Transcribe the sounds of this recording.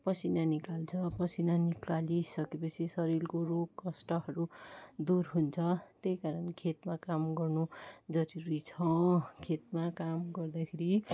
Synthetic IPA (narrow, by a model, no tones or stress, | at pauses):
pʌsʰinanikalt͡sʰʌpʌsinanikalisʌkepʌt͡sʰisʌɾilkoroɡkʌsʈʌɦʌɾud̪urɦunt͡sʰʌt̪ekaɾʌnkʰet̪makamɡʌrnud͡zʌɾiɾit͡sʰʌ̃kʰet̪̚makamɡʌrd̪akʰeɾi